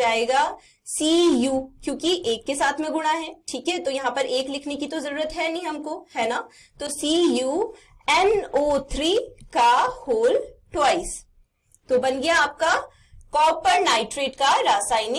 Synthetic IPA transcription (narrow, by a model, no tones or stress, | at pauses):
aːeːɡa | siːjuːkjõːkiʔeːkːesaːt̪ʰmẽɡʊɽ̃aɦɛːʈʰiːkɦɛt̪ojɐɦãpɐɾeːklɪkʰnekit̪ozɐɾuːɾət̪ɦɛnĩɦɐmkohɛːna | t̪oːsiːju | ɛnoːt̪ʰɾiːkahoːlʈwaːɪs | t̪obɐnɡɐjaːp̚ka | kɔːpəɾnaːɪʈɾeːʈkaɾaːsaːɪni